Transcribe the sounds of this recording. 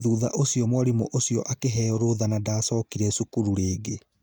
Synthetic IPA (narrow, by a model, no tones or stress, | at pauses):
ðuːða̰ʔosiɔmwaɾimo̰ʔosiɔʔakeɦɛɔɾoðanadaːsɔːkiɾɛsukuɾuɾeːɡe